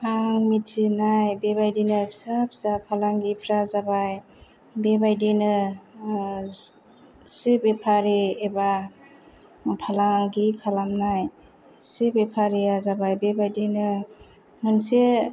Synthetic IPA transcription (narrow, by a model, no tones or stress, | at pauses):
aŋmitʰinajbebajdinɯsapsapʰalaŋɡipʰɾazabaj | bebajdenɯ | sibepʰaɾeːba | pʰalaŋɡikʰalamnaj | sibepʰaɾiazabajbebajdinɯ | mɯnse